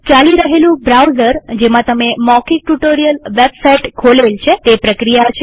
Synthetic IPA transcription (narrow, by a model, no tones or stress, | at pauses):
t͡ʃaliɾəɦelũbɾawzəɾd͡ʒemãt̪əmemɔkik̚ʈuʈoɾijəlʋebsajʈkʰolelt͡ʃʰet̪epɾəkɾijat͡ʃʰ